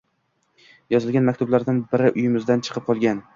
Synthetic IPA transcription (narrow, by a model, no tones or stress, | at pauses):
jɒzɪlɡʲanmakʲt̪ʰʊblaɾd̪anbɪɾɪʔʊjɪmɪzd̪ant͡ʃʰɨ̥qʰɨp̚qʰɒlˠɡʲan